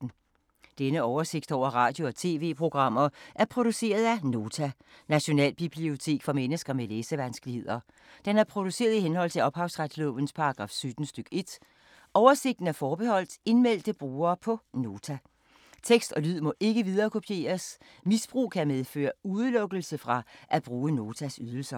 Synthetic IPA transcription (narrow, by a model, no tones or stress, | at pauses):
n̩ | d̥enəɒʊɐse̝ɡ̥̚d̥ɒʊ̰ɐʁɑ̈ːd̥jo̝ɒ̽t͡sʰe̝̰ːʋe̝̰ːpʰʁo̝ɡ̥ʁɑ̈m̰ɐʔæɐpʰʁo̝d̥use̝̰ːɐð̞ˠæno̝ːt͡sʰæ | næɕo̝nɛ̰ːlb̥ib̥lio̝t͡sʰe̝̰ːɡ̥fɒ̽menəsɡ̥ɐmeleːsəʋænsɡ̥lihe̝ð̞̰ˠɐ | d̥enæɐpʰʁo̝d̥use̝̰ːɐðˠiɦenhɒ̽l̰t͡sʰe̝lɒ̽b̥hɑ̈ʊsʁad̥slɔʋən̩spʰɑ̈ɑɡ̥ʁɑ̈ːfsød̥n̩sd̥øɡ̥e̝d̥ | ɒʊɐse̝ɡ̥̚d̥n̩æɐfɒːb̥ehɒ̽l̰d̥e̝nmel̰d̥əb̥ʁuːɐːpʰɒ̽no̝ːt͡sʰæ | t͡sʰeɡ̥sd̥ɒ̽lyð̰ˠmɒ̽ʔe̝ɡ̥əʋið̞ˠɐːkʰo̝pʰje̝̰ːɐs | misb̥ʁṵːkʰæmeð̞ˠfø̰ːɐuðˠlɔ̽ɡ̥l̩səfʁɑ̈ʔæb̥ʁuːno̝ːt͡sʰæsyð̞ˠl̩sɐ